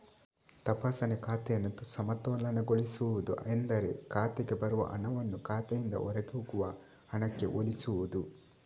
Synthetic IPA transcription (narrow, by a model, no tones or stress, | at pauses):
t̪ɐpaːsɐnekaːt̪ɛjɐnɐt̪ːusɐmɐt̪ɔːlɐnɐɡoɭisuʋud̪ṵʔend̪ɐɾḛkaːt̪ɛɡe̞bɐɾuʋɐ̰ʔɐ̰nɐʋɐnːukaːt̪ɛjind̪ɐ̰ʔɔɾɐɡeuɡuʋɐ | ɐnɐkːe̞ʔolisuʋud̪u